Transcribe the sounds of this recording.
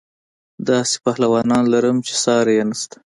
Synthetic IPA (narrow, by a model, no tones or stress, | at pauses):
d̪ɑse̥pahlawɑnɑnlaɾəmt͡ʃe̥sɑɾjenast̪ḁ